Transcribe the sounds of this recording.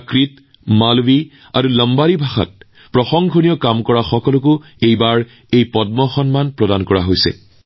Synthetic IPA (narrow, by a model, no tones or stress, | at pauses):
kɹit | malwi | aɹuləmbaɹibʱaxa̰t̚ | pɹɔxɔŋɡʱɔnijɔkamkɔɹaxɔkɔlʊk̬ʊ | ejbaɹ | ejpɔdmɔxɔnmanpɹɔdankɔɹaɦojsɛ̰